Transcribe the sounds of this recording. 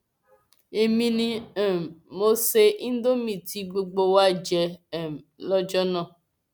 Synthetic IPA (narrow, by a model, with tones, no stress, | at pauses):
e˦mĩ˦nĩ˦˨ | mo˦se˦ʔĩ˦n̩˦do˦mĩ˨ti˦ɡ͡bo˧ɡ͡bo˧wa˦d͡ʒɛ˧˨m˨lɔ˦d͡ʒɔ˦nɔ̃˦˨